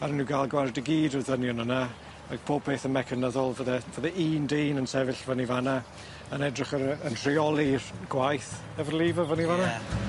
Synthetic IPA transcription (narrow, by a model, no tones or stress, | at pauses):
aɾənuɡaːlˠɡwardɪɡiːdəðənjɔnəna | aɡ̥̚pʰoːb̚pʰeːθənmɛkʰənəðɔlˠvəðɛvəðɛʔiːndeːnənsɛvɪɬvənivana | ənɛdrɪχəɾəntʰr̥iɔlˠirɡ̥wajθ | ɛvərlˠiːvəvənivana